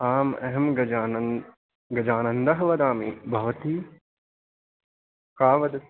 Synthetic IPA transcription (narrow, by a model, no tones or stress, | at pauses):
aːmɐ̰ɦɐmɡɐ | ɡɐd͡ʒaːnɐnd̪ɐɦɐʋɐd̪aːmḭbʱɐʋɐt̪iː | kaːʋɐd̪ɐ